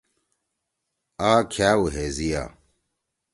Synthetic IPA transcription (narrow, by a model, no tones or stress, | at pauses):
aɣakʰaːwuɦeːzija̰ː